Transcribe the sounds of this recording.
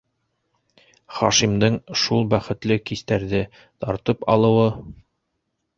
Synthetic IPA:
χɑ̰ʃimd̪ɤɴʃulˠbæχɘ̆t̪lɘkist̪æɾðɘ | t̪ɑɾt̪ɤpɑ̰lˠɤ̆wɤ

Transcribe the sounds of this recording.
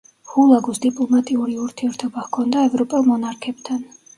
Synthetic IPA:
hulˠaɡusd̪ipʼlˠɔmat̪ʼiuɾiuɾt̪ʰiɛɾt̪ʰɔbahkʰɔnd̪aɛvɾɔpʼɛlˠmɔnaɾkʰɛb̥t̪ʰan

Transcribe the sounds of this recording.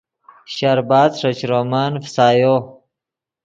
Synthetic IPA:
ɕaɾbaːd̪ʂɐt͡ʃɾomaːnfsaːjo

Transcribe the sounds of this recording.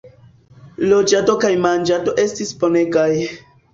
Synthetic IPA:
lod͡ʒato̞kajmand͡ʒato̞ʔe̞stispo̞ne̞kaj

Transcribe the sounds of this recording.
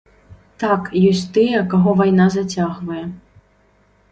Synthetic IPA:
t̪akjɔsʲt̪ɨjɛkaɣɔvajnazat͡sʲaɣvɐjɛ

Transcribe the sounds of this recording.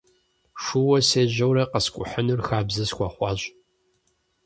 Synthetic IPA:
ʂuwɐseːʑɐwɾɐqəskʷʼʊ̰ħənurxaːbzɐsxʷɔχʷɑɕʼ

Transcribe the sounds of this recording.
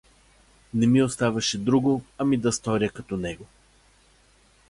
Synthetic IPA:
nɛmiost̪avɐʃɛd̪ɾuɡoɐmid̪ɐst̪ɔɾiəkɐt̪ɔnɛɡo

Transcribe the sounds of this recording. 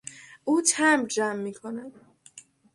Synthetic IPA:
ʔuːt͡ʃʰæmd͡ʒæmːiːkʰonæd̪̥

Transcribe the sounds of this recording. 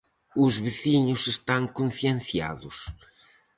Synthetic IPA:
ʊzβɪθiɲʊsest̪aŋkõnθjẽnθja̰ðʊs

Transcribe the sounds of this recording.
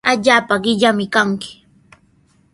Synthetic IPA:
aʎaːpaɢɪʎamɪkaŋkɪ̥

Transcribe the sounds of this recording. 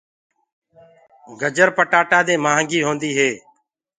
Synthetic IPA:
ɡəd͡ʒəɾpəʈaːʈaːd̪eːmaːəŋɡiːɦõːnd̪iːɦeː

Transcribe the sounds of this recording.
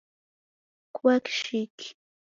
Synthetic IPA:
kwakʃɪk

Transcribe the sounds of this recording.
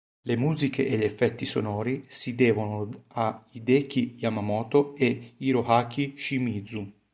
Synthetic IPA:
lemuːzikʰeʔeʎefːɛt̪ːiso̰nɔːɾisid̪ɛːvonoaid̪ɛːkijamamɔːt̪oeiɾohakiʃimiːd̪zu

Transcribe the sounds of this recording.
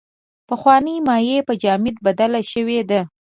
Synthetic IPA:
pəxwɑnəjmɑjepəd͡ʒɑmɪd̪̚bad̪alaʃəwed̪a

